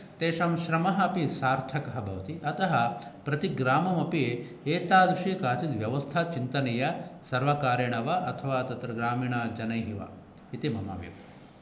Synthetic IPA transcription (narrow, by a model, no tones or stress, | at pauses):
t̪eːʃɐmʃɾɐmɐɦɐɐpisaːɾt̪ʰɐkɐɦɐbʱɐ̰ʋɐt̪iʔɐt̪ɐɦɐpɾɐt̪iɡɾaːmɐmɐpie | eːt̪aːd̪ɾiʃijɐkaːt͡ʃit̪ʋjɐʋɐst̪ʰat͡ʃint̪ɐnejɐsɐɾʋɐkaːɾjɐɳɐʋɐʔɐt̪ʰɐʋaːt̪ɐt̪ɾɐɡɾaːmiːɳaːd͡ʒɐnɐjɦiʋɐ̰ | it̪imɐma̰ːʋjɐ̰p